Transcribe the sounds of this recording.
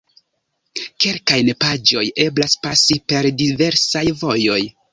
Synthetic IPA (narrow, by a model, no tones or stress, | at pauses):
ke̞lkajnepad͡ʒo̞je̞blaspasipe̞ɾdive̞ɾsajvo̞jo̞j